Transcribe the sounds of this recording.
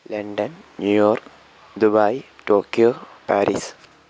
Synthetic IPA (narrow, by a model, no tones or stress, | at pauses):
lɐɳɖɐnnjujoːrk | d̪ubajʈoːkiopæːɾḭs